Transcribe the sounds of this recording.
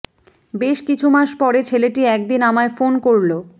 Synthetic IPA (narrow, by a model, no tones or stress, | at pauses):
beʃkit͡ɕʰumaʃpɔɾet͡ɕʰeleʈiɛk̚d̪inamaefonkoɾlo